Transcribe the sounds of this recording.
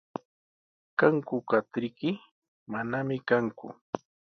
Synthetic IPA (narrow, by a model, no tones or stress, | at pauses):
kaŋkʊkat̪ɪkɪ | manamɪkaŋkʊ̰